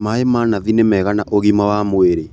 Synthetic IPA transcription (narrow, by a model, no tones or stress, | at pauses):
maemanaðinemɛːɣanaʔoɣimawamweɾe